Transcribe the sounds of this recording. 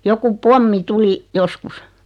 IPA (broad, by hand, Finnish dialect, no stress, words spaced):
joku pomːi tuli joskus